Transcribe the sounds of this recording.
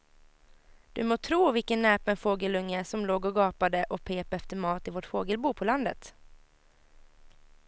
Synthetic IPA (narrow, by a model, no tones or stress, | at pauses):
d̪̥ɵ̰moːt̪ʰɾuːvɪlkənːɛːpənfoːɡəlɵŋːəæsɔmloːɡɔɡɑːpad̪əʔɔpʰeːpɛft̪əɾmɑːt̪ɪvoʈfoːɡəlbuːpʰɔland̪ət̪